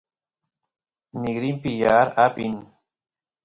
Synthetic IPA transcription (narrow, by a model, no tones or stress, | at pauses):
nɪɡɾimpɪjaɾapin